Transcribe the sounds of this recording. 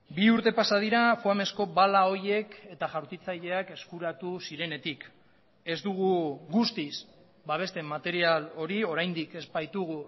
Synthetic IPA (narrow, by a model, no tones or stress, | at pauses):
biuɾt̪e̞pasað̞iɾafuame̞sko̞βalao̞ɾe̞ke̞t̪aʝawɾt̪it͡saʎe̞ake̞skuɾat̪usiɾe̞ne̞t̪ik | e̞zd̪uɣ̞uɣust̪is | baβ̞e̞st̪e̞mat̪e̞ɾialo̞ɾio̞ɾajnd̪ike̞zbajt̪uɣ̞u